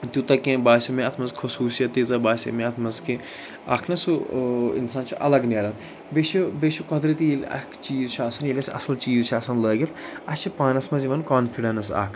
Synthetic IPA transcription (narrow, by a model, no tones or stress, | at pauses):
t̪ʲut̪ɐkẽbaːʃɐmẽɐt̪ʰmɐzkʰɐsuːsijɐt̪ːizɐbaːʃɐ̰mẽɐt̪ʰmɐzke | a̰ːkʰnɐsuɪ̰nsaːnt͡ʃʰiʔɐ̰lɐɡnʲaːɾɐn | beːʃʰibeːʃʰukɐd̪ɾɐt̪iilʲɐ̰kʰt͡ʃiːzt͡ʃʰaːsɐnjelʲɐsʲɐ̰sɐlt͡ʃiːzt͡ʃʰɐːsɐnləːɡʲit̪ʰɐt͡ʃʰipaːnɐsmɐziʋɐnkaːnfiɖɐnsa̰ːkʰ